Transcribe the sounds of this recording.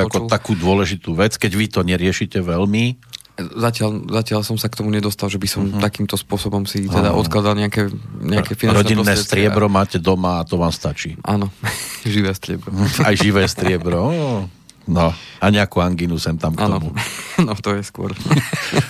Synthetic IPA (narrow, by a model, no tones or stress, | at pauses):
akɔt̪akuːd̪ʊɔlɛʒit̪uːʋɛt͡skɛɟʋit̪ɔɲɛɾɪɛʃicɛʋɛlmi | zacɪalzacɪalsɔmsakt̪ɔmuɲɛd̪ɔst̪alʒɛbisɔmt̪akiːmt̪ɔspʊɔsɔbɔmsit̪ɛd̪a̰ʔɔ̰t̪klad̪alɲɛakɛɲɛakɛfinaɾɔɟinːɛːst̪ɾɪɛbɾɔmaːcɛd̪ɔmaːt̪ɔʋaːmst̪at͡ʃiːʔa̰nɔʒiʋɛːst̪ɾɪɛbɾɔajʒiʋɛːst̪ɾɪɛbɾɔ | nɔaɲɛakuːaŋɡinusɛmt̪amk̪ɔmuanɔt̪ɔjɛskʊɔ̰ɾ